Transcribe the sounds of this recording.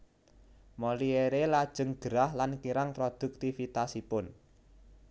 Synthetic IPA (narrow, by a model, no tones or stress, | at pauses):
molieɾelad̥ʒ̥ə̤ŋɡ̥əɾahlankiɾaŋpɾod̪̥ṳk̚t̪ifit̪asipʊn